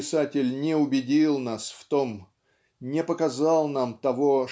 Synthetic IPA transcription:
ɪsatʲɪlʲnʲɪʊbʲɪdʲilˠnasft̪om | nʲɪpəkɐzɑlˠnamt̪ɐvo

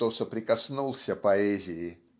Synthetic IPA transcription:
t̪osəpɾʲɪkɐsnulˠsʲəpɐɛzʲɪjɪ

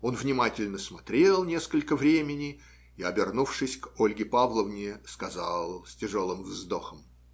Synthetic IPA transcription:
o̞nvnʲɪmatʲɪlʲnəsmɐt̪ɾʲe̞lˠnʲeskəlʲkəvɾʲemʲɪnʲɪ | ɪɐbʲɪrnufʂɨsʲko̞lʲɡʲɪpavlˠəvnʲɪskɐzalˠsʲtʲɪʐo̞lˠɨmvzd̪o̞xəm

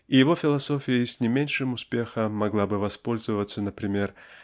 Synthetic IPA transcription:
ijɪvo̞fʲɪlˠɐso̞fʲɪjəsʲnʲɪmʲenʲʂɨmʊspʲe̞xəmɐɡlˠabɨvɐspo̞lʲzɨvət̪sːənəpɾʲɪmʲe̞r

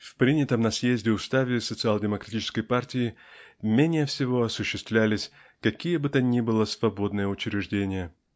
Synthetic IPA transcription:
fpɾʲinʲɪt̪əmnɐsjezʲdʲɪʊst̪avʲɪsət̪sɨalˠdʲɪməkɾɐtʲit͡ɕɪ̥skəjpartʲɪɪ | mʲenʲɪjəfsʲɪvo̞ɐsʊɕːɪst̪vlʲælʲɪsʲ | kɐkʲijəbɨt̪ənʲibɨlˠəsvɐbo̞d̪nɨjəʊt͡ɕɾʲɪʐdʲenʲɪjə

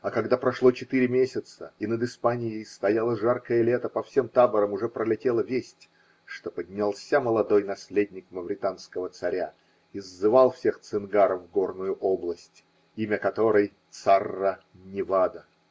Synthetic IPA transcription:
ɐkɐɡd̪apɾɐʂlˠot͡ɕɪt̪iɾʲɪmʲesʲɪt̪səinəd̪ɨspanʲɪjɪjst̪ɐjalˠəʐarkəjəlʲet̪əpɐfsʲe̞mt̪abəɾəmʊʐɛpɾəlʲɪtʲelˠəvʲesʲtʲ | ʂt̪o̞pədʲnʲalˠsʲaməlˠɐd̪o̞jnɐsʲlʲedʲnʲɪkməvɾʲɪt̪anskəvət̪sɐɾʲa | izːɨvalˠfsʲe̞xt̪sɨnɡaɾəfːɡo̞rnʊjʊʔoblˠəsʲtʲ | imʲəkɐt̪o̞ɾɨj | t̪sarːə | nʲɪvad̪ə

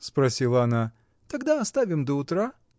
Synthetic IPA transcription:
spɾɐsʲilˠɐɐna | t̪ɐɡd̪aɐst̪avʲɪmd̪əʊt̪ɾa

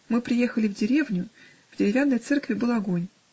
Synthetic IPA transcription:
mɨpɾʲɪje̞xəlʲɪvdʲɪɾʲe̞vnʲʊ | v̥dʲɪɾʲɪvʲanːəjt̪sɛrkvʲɪbɨlˠɐɡo̞nʲ

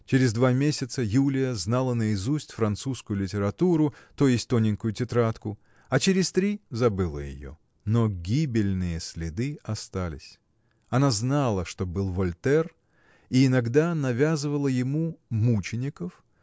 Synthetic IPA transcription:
t͡ɕɪɾʲɪzd̪vamʲesʲɪt̪səjulʲɪjəznalˠənəɪzusʲtʲfɾɐnt̪suskʊjʊlʲɪtʲɪɾɐt̪uɾʊt̪o̞jɪsʲtʲt̪onʲɪnʲkʊjʊtʲɪt̪ɾat̪kʊ | ɐt͡ɕɪɾʲɪst̪ɾʲizɐbɨlˠə̰jɪ̰jo̞̰ | noɡʲibʲɪlʲnɨjəsʲlʲɪd̪ɨɐst̪alʲɪ̰sʲ | ɐnaznalˠəʂt̪o̞bɨlˠvɐlʲt̪ɛr | iɪnɐɡd̪anɐvʲazɨvəlˠəjɪmumut͡ɕɪnʲɪkəf

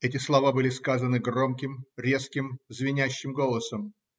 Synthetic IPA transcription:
ɛtʲɪslˠɐvabɨlʲɪskazənɨɡro̞mkʲɪmɾʲe̞skʲɪmzvʲɪnʲæɕːɪmɡo̞lˠəsəm

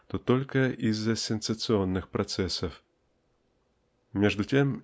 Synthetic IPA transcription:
t̪ot̪olʲkəʔizːɐsʲɛnsət̪sɨonːɨxpɾɐt̪sɛsəf | mʲeʐd̪ʊtʲem

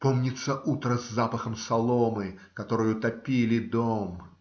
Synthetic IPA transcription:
po̞mnʲɪt̪səʔut̪ɾəzːapəxəmsɐlˠomɨkɐt̪o̞ɾɨjʊt̪ɐpʲilʲɪd̪om

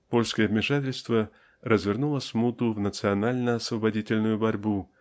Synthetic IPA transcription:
po̞lʲskəjəvmʲɪʂatʲɪlʲst̪və | rəzvʲɪrnulˠəsʲmut̪ʊvnət̪sɨɐnalʲnəɐsvəbɐdʲitʲɪlʲnʊjʊbɐɾʲbu

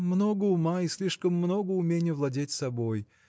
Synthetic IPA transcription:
mnoɡəʊmaisʲlʲiʂkəmːnoɡʊʊmʲenʲɪjəvlˠɐdʲetʲsɐboj

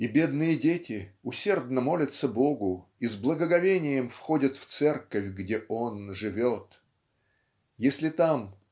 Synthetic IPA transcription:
ibʲe̞d̪nɨjədʲetʲɪʊsʲe̞rd̪nəmo̞lʲət̪səbo̞ɡʊizblˠəɡəɡɐvʲenʲɪjəmfxo̞dʲət̪ft̪sɛrkəfʲɡdʲeʔo̞nʐɨvʲo̞t̪ | jesʲlʲɪt̪am

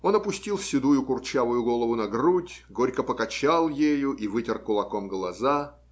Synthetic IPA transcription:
o̞nɐpʊsʲtʲilˠsʲɪd̪ujʊkʊrt͡ɕavʊjʊɡo̞lˠəvʊnɐɡrutʲɡoɾʲkəpəkɐt͡ɕalˠjejʊʔivɨtʲɪrkʊlˠɐko̞mɡlˠɐza

